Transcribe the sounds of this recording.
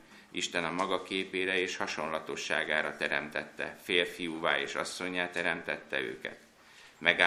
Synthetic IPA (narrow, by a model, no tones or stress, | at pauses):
ʔiʃt̪ɛnɒmɒɡɒkeːpeːɾɛeːʃhɒʃo̞nlɒt̪o̞ʃːa̰ːɡaːɾɒt̪ɛɾɛmt̪ɛt̪ːɛ̰feːlfijuːvaːeːʃɒsːo̞ɲːaːt̪ɛɾɛmt̪ɛt̪ːɛø̰ːkɛ̰t̪ | mɛɡa